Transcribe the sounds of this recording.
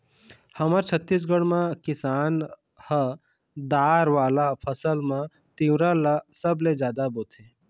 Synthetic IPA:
həməɾt͡ʃʰət̪ːis̬ɡəɽ̃mãkɪsaːn | hə | d̪aːɾʋaːlapʰəsəlmã | t̪iwɾalasəbled͡ʒjaːd̪aboːt̪ʰe

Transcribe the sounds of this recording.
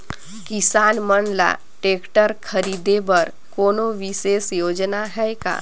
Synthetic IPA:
kisanmənla̰ | ʈekʈəɾkʰəɾid̪ebəɾ | konoʋisesjod͡ʒnaɦɛjka̰

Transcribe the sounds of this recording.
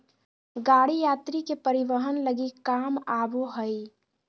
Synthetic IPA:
ɡaːɽijaːt̪ɾikepəɾiʋəɦənləɡikaːmaːboɦəi

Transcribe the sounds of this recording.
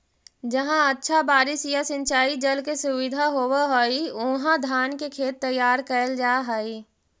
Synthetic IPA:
d͡ʒəɦãətːʃʰabaːɾɪsjasɪ̃nt͡ʃaːid͡ʒəlkesʊwɪd̪ʱaɦoːwaɦoːiʊɦãd̪ʱaːnkekʰeːt̪ːəjːaːɾkəəld͡ʒaːɦəi

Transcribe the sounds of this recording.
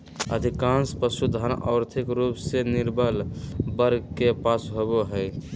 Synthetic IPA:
ə̰d̪ʱikanspəsud̪ʱanɔ̰ɾt̪ʰikɾupseniɾbəlbəɾɡkepasɦoboɦəj

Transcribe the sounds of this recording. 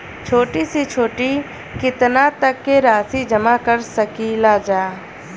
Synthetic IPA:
t͡ʃʰoːʈisit͡ʃʰoːʈi | kɪt̪nat̪əkːeɾaːsid͡ʒəmakəɾsəkilaːd͡ʒaː

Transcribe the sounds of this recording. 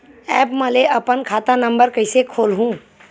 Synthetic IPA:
ɛːpməleʔɐpənkʰaːt̪anə̃mbəɾkəɪsekʰoːlɦũ

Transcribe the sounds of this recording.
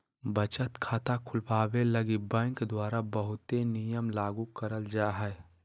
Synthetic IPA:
bət͡ʃət̪kʰaːt̪akʰʊlpaːweləɡibɛ̃ːŋkd̪waːɾabəɦʊt̪enijəmlaːɡukəɾəld͡ʒaːɦɛː

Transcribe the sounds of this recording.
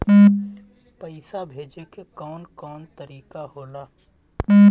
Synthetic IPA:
pəɪsabʱeːd͡ʒekekɔːnkɔːnt̪əɾiːkaɦoːlaː

